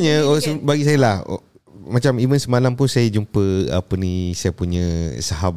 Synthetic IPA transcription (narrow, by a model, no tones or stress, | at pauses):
ɲə̃səbaɡis̬ajəlah | mat͡ʃamimənsəmalampunsajad͡ʒumpəa̰pənisajəpuɲə̃saɦab